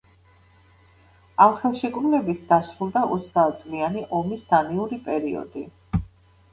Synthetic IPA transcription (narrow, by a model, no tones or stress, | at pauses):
amχɛlˠʃɛkʼɾunɛbit̪ʰd̪̥asɾulˠd̪aʔɔt̪sʰd̪aːt̪t̪sʼlianiʔɔmisd̪̥aniuɾipʼɛɾiɔ̰d̪i